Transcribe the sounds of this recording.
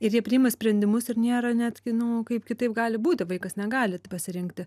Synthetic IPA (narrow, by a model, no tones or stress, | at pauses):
ɪɾjiɛpʲɾʲɪɪmɐsʲpʲɾʲɛnʲd̪ʲɪmʊsɪrnʲiːɾɐnʲæt̪ʲɡʲɪnʊkɐɪpkʲɪt̪ɐɪp̚ɡɑːlʲɪbuːt̪ʲɪʋɐɪkɐsnʲɛɡɑːlʲɪtpɐsʲɪɾʲɪŋkt̪ʲɪ